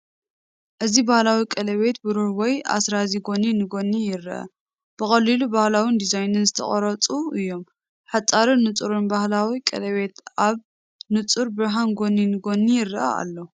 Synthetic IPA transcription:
ʔɨzibahlawikʼɐlɐβe̞t̪̚bɨɾuhwɔja̰sɾaziɡo̞ninɨɡo̞nːijɪrʔɐ̰ | b̥ɨxʼɐlːilubahlawind̪izajnɨnzɨt̪ʰɐ̰χʼɐ̰ɾɐt͡sʼuɨjːo̞m | ħat͡sʼːaɾɨnːɨt͡sʼuɾɨnbahlawikʼɐ̰lɐβe̞t̪ʔaβ | nɨt͡sʼuɾbɨɾɦanɡo̞ninɨɡo̞nːijɪrɨʔɐ̰a̰lːo̞

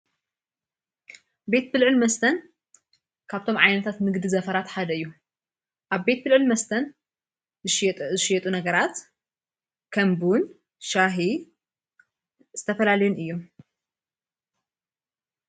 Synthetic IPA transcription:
be̞t̪̚bɨlʕɨlmɐst̪ʰɐn | kʰaβt̪ʰo̞mʕajnɐt̪ʰat̪mɨɡd̪izɐfɐɾat̪ħad̪ɐɨjːu | ʔaβbe̞t̪̚bɨlʕɨlmɐst̪ʰɐn | zɨʃjɛt̪ʼunɐɡɐɾat̪ | kʰɐmbun | ʃaɦi | z̥ɨt̪ʰɐfɐlalɐjunɨjːom

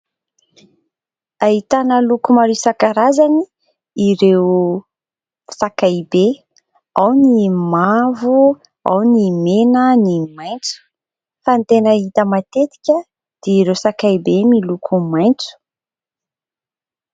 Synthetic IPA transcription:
aɦit̪anəlukumaɾisakaɾazani | iɾewu | sakajbe | awnimavu | a̰wnimenənimajnt͡su̥ | fant̪enəit̪əmat̪et̪i̥kʲə | d̪̥eiɾewsakajbemilukʰumajnt͡su̥

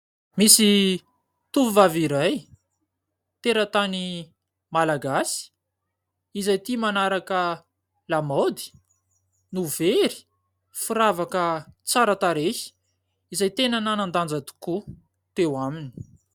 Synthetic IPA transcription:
misi | t̪uvivaviɾaj | t̪eɾət̪ani | malaɡasi̥ | izajt̪imanaɾakə | lamod̪i̥ | nuveɾi̥ | fiɾavakət͡saɾət̪aɾehi̥ | izajt̪enananand̪and͡zat̪u̥ku | t̪ewamini̥

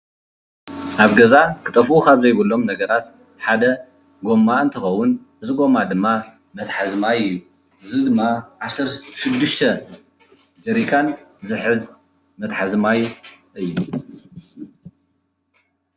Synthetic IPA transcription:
ʔaβɡɐzakʰɨt̪ʼɐfukʰaβzɐjβɨlːo̞mnɐɡɐɾat̪ | ħad̪ɐ | ɡo̞mːaɨnt̪ʰɨxɐwːʊn | ɨzʼɡo̞mad̪ɨmːa | mɐt̪ħazmajɨju | ʔɨzɨd̪ɨmːaʕasɐɾʃɪd̪ːɨʃt̪ʰɐ | d͡ʒɐɾikʼanzɨħɨz | mɐt̪ħazmajʔɨjːu

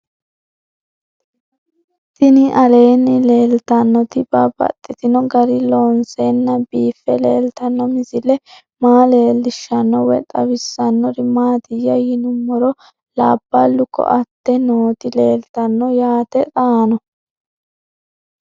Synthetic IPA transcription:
t̪ɪnɪʔɐle̞ːnːɪle̞ːlt̪ɐnːɔt̪ɪbabɐ̰t̪ʼːɪt̪ɪnɔɡɐɾɪlo̞ːnsenːɐbiːfːɛle̞ːlt̪ɐnːɔmɪzɪlɛ | maːle̞ːlːɪʃːɐnːɔwɛ̰t̪ʼɐwɪsːɐnːɔɾɪmaːt̪ɪjːɐjɪnʊmːɔɾɔ | laːbːɐlːʊkːɔ̰ʔɐt̪ːɛnoːt̪ɪle̞ːlt̪ɐnːɔjaːt̪ɛt̪ʼaːnɔ

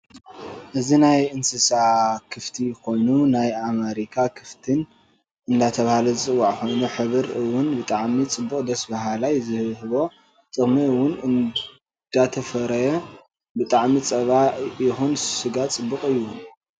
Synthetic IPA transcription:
ʔɨzinajɨnsɨsakʰɨft̪ʰiko̞jnunajamɐɾikʰakʰɨft̪ʰɨn | ɨnd̪at̪ʰɐβahalɐzɨt͡sʼɨwːaʕko̞jnuħɨβɨɾɨwːʊnbɨt̪ʼaʕmit͡sʼɨbːukʼd̪ɐsbaɦalajzɨhβhɨβo̞ | t͡s̪ʼɨxmiɨwːʊnɨn | d̪̥at̪ʰɐfɐɾɐjɐ | bɨt̪ʼaʕmit͡sʼɐβaʔjɪxunsɨɡat̪t͡sʼɨbːɨqʼɨjː

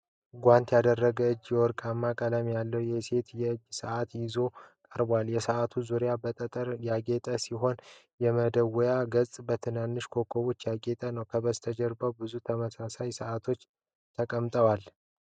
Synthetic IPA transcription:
ɡʷant̪jad̪ərːəɡəɨd͡ʒjɛwɔɾkʼamːakʼələmjalːəwjɛse̞t̪jɛɨd͡ʒːsəʔat̪jɪzo̞kʼəɾbaljɛsəʔat̪ʰuzuɾjabət̪ʼət̪ʼəɾjaɡe̞t̪ʼəsiɦo̞n | jɛməd̪əwɔjaɡəsʼbət̪ʰɨnanːɨʃkʰo̞kʰːoβo̞t͡ʃːjaɡe̞t̪ʼənəwkʰəbəst̪ʰəd͡ʒɛɾbəwbɨzut̪ʰəməsasajsəʔat̪ʰo̞t͡ʃː | t̪ʰəkʼəmt̪ʼəwal

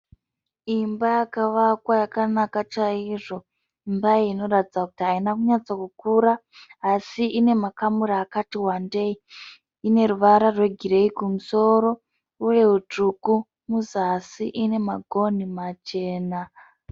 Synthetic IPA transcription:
imbajakaʋakwajakanakat͡ʃaiʐo̞ | imbaiːno̞ɾatid͡zakutiɦainakuɲat͡sakukuːɾaːsiʔine̞makamuɾaːkatiwande̞i | ine̞ɾuʋaɾarwe̞ɡʱiɾe̞ikumuso̞ɾo̞ | uje̞ut͡ʂuku | muzasiʔine̞maɡʱo̞nimat͡ʃe̞ːna

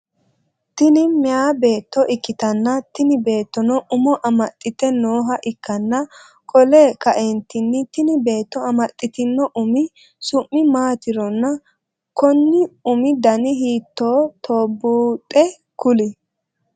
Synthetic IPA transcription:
t̪ɪnɪmɪaːbe̞ːt̪ːɔʔɪkːɪt̪ɐnːɐt̪ɪnɪbe̞ːt̪ːɔnɔʔʊmɔʔɐmɐt̪ʼːɪt̪ɛnoːɦɐʔɪkʰːɐnːɐ | kʼɔleːkɐʔɛnt̪ɪnːɪt̪ɪnɪbe̞ːt̪ːɔɐmɐt̪ʼːɪt̪ɪnːɔʔʊmɪ | sʊʔːɪmaːt̪ɪɾɔnːɐ | kɔnːɪʊmɪd̪ɐnɪɦiːt̪ːoːt̪ʰoːbːuːt̪ʼɛ | kʊlɪ

